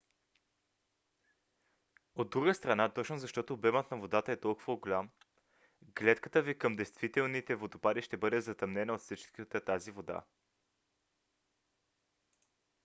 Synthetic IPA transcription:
od̪ːɾuɡəst̪ɾɐnat̪ɔt͡ʃnozɐʃt̪ɔt̪oːbɛmət̪nɐvod̪at̪əɛt̪ɔlˠkʊvəɡolʲam | ɡlʲɛt̪kət̪əvikɤmd̪ɛjst̪vit̪ɛlˠnit̪ɛvod̪opad̪iʃt̪ɛbɤd̪ɛzɐt̪ɐmnɛnəot̪fsit͡ʃkət̪ət̪azivod̪a̰

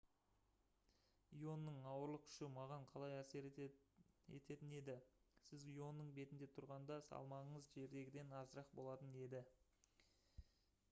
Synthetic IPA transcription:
ijo̞nːəɴɑwəɾlˠəq̚kʰʏ̥ʃɪmɑʁɑɴqʰɑlˠɑjæseɾ | e̞̰t̪ʰe̞t̪ɪne̞d̪ɪsɪzijo̞nːəɴbe̞t̪ɪnd̪e̞t̪ʰʊɾʁɑnd̪ɑsɑ̰lˠmɑʁəɴəzʒe̞ɾd̪e̞ɡʲɪd̪e̞nɑzɾɑq̚bo̞lˠɑt̪əne̞d̪ɪ

